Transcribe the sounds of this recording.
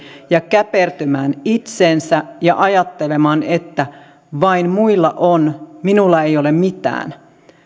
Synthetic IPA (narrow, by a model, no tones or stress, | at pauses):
jɑkæpert̪ømæːnit̪seːnsæjɑʔɑjɑt̪ːelemɑːnet̪ːæ | ʋɑinmuilːɑʔonminulːɑeijolemmit̪æ̰ːn